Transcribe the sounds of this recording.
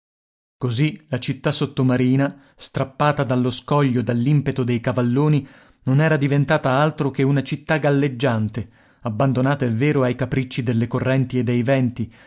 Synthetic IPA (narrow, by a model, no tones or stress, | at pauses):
kozilat͡ʃit̪ːasot̪ːomaɾiːna | st̪ɾapːaːt̪ad̪alːoskɔʎːod̪alːimpet̪od̪ejkavalːoːni | nonɛːɾad̪ivent̪aːt̪aalt̪ɾokeunat͡ʃit̪ːaɡalːed͡ʒːant̪e | abːand̪onaːt̪aevːeːɾoajkapɾit͡ʃːid̪elːekorːɛnt̪ied̪ːejvɛnt̪i